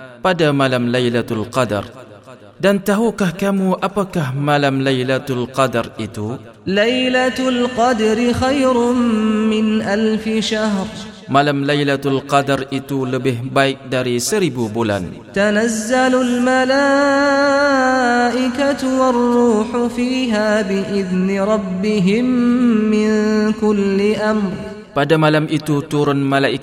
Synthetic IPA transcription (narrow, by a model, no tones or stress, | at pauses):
padamalamlajlat̪alqɑda̰r | dant̪aɦukahkamuʔapakahmalamlajlat̪alqɑdarʔit̪u | lajlalqɑd̪ɾɪxajɾʊmːɪnʔalfɪʃaɦɾ | malamlajlat̪alqɑdarit̪uləbɪhbaɪk̚daɾisəɾibubula̰n | t̪anazːalʊlmalaː | ʔɪkat̪ʊwɑrˤːuːħʊfiːɦaːbɪʔɪðnɪɾˤɑbːɪɦɪmːɪnkʊlːɪʔamɾ | padamalamʔit̪ut̪uɾʊnmalaʔik